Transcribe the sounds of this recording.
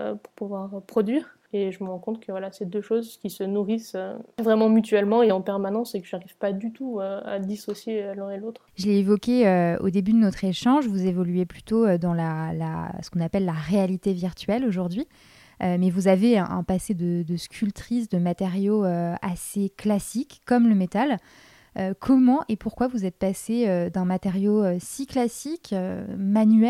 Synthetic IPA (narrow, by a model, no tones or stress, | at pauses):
ø̰puʁpuvwaʁpχɔd̪ɥiːʁ | eʒəməʁɑ̃kɔ̃t̪χkəvwalased̪øʃozkʲisənuʁisøvʁɛmɑ̃myt̪ɥɛlmɑ̃eɑ̃pɛʁmanɑ̃sekəʒaʁiv̥pad̪yt̪uøa̰d̪isɔsjelɛ̃elot̪χʒəleevɔkʲeøo̰d̪ebyd̪ənɔt̪χeʃɑ̃ʒvuzevɔlɥeply̥t̪oød̪ɑ̃lala̰sə̥kɔ̃napɛlːaʁealit̪eviʁt̪ɥɛloʒuʁd̪ɥi | ømɛvuzaveɛ̰̃ʔɛ̰̃pased̪əd̪əskʲʰylt̪χisd̪əmat̪eʁjoøaseklasikːɔmləmet̪al | økʰɔmɑ̃ʔepuʁkwavuzɛt̪̚paseød̪ɛ̃mat̪eʁjoøsiklasikømanɥɛ